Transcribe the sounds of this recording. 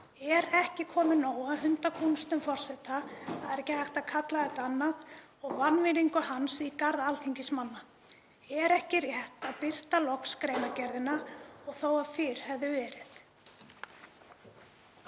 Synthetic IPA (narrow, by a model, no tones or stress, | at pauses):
ɛɾɛhcɪkʰɔːmɪnoːwaɦʏnt̪akʰunst̪ʏmfɔr̥sɛht̪aːðɛɾɛhcːɪhajxt̪aðkʰat̪laðɛt̪anːat̪ | ɔɣvanvɪliŋkʏhansikaɾðalt̪ʰiɲcɪsmanːa | ɛɾɛhcɪrjɛht̪aðpɪr̥t̪alɔkskɾejnacɛɾðɪnaɔɣθoːwaðfɪːɾ̥hɛvðʏvɛːɾɪθ